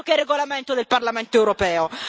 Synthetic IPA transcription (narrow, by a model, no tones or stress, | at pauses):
okɛrːeɡolament̪od̪elparlament̪oɛwɾopɛːo